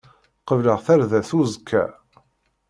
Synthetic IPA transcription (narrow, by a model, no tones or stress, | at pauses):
qəvləʁθæɾðæθuzkʰːæ̰